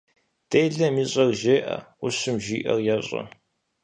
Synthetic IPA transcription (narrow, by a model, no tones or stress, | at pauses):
d̥ejɮɐmiːɕʼɐrʒeːʔɐ̰ʊɕɨmʒiːʔɐ̰rjaːɕʼɐ̰